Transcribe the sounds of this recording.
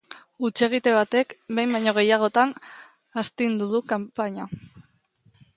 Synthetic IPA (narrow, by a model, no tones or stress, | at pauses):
ut͡ʃe̞ɣ̞it̪e̞βat̪e̞kbe̞jmbajɲo̞ɣ̞e̞jaɣ̞o̞t̪an | ast̪ind̪uðukampaɲa